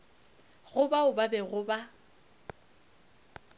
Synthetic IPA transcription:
ɣʊbaʊbabɛɣʊba

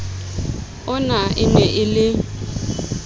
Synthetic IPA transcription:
ʊnaɪnɛʔɪlɪ

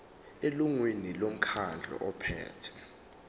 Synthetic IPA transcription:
eluŋwinilom̩kʰand͡ɮʱɔ̰ʔɔpʰɛ̰ːtʰɛ̥

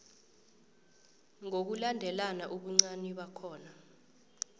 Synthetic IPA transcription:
ŋok̬ulandʱɛlanaʔuɓuŋ͡ǀaniɓakʰɔːna

